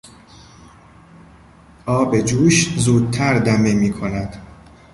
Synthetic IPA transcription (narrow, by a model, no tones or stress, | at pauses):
ʔɒːbe̞d͡ʒuːʃzuːd̪̚t̪ʰæɾd̪æmemiːkʰo̞næd̪̥